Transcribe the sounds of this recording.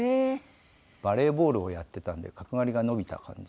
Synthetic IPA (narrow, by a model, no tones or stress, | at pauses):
e | b̥aɾe̞ːbo̞ːɾɯ̟o̞jat̪ːe̞t̪ãnd̪e̞̰kakɯ̟ŋaɾʲiɡano̞bʲit̪a̰kʰã̰ɲ̟d͡ʑi